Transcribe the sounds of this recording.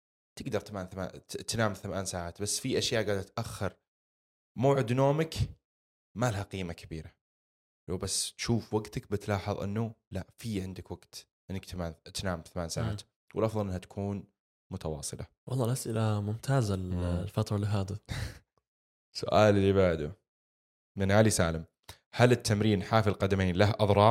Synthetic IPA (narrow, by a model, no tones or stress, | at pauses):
t̪ɪɡd̪ɑɾˤt̪amaːnθama̰ːt̪naːmθamaːnsaːʕaːt̪basːfiʔaʃjaːʔɡaːd̪ɾt̪ʔaxːɪɾ | maːʕɪd̪noːmak | malahaqiːmakʰabiːɾa | lawbasːt̪ʃuːfwaɡt̪ak̚bɪt̪lɑːħɑðˤʔɪ̰nːulaʔfiʕɪnd̪ɪkwaɡ̥t̪ | ʔɪnːakt̪maːnt̪naːmθamaːnsaʕa̰ːt̪ | wɪ̰lʔɑfðˤɑlʔɪnːhat̪ḁkʰuːn | mʊt̪awɑ̰ːsˤɨla | wʔɑ̰lˤːɑːlʔasʔɪlamʊmt̪ʰaːzallfɑt̪ɾˤɑlɪɦaːd̪a | sʊ̰ʔaːlliβaʕd̪u | mɪnʕalisaːlɪm | halɪt̪ʰːamɾiːnħaːfilqɑd̪ameːnlahʔɑðˤɾˤɑːˤ